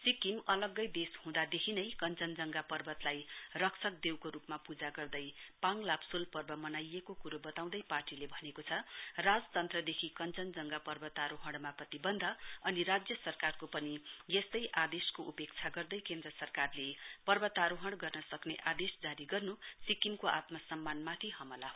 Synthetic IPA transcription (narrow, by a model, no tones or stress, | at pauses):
sikimʌlʌɡːʌjd̪eshũd̪ad̪ekʰinʌjkʌnt͡sʌnd͡zʌŋɡapʌrbʌt̪lajrʌksʰʌk̚d̪ewkoɾupmapud͡zaɡʌrd̪ʌjpãŋlabsulpʌrbʌmʌnajekokuɾobʌt̪aw̃d̪ʌjparʈilebʱʌnekot͡sʰʌrad͡zt̪ʌnt̪rʌd̪ekʰikʌnt͡sʌnd͡zʌŋɡapʌrbʌt̪aɾoɦʌɽmaprʌt̪ibʌnd̪ʱʌʌniɾad͡zjʌsʌrkarkopʌnijest̪ʌjʔad̪eskoʔupekt͡sʰaɡʌrd̪ʌjkend̪rʌsʌrkarlepʌrbʌt̪aɾoɦʌɽɡʌrnʌsʌkneʔad̪esd͡zaɾiɡʌrnusikimkoʔa̰t̪mʌsʌmːanmat̪ʰiɦʌmʌlaɦo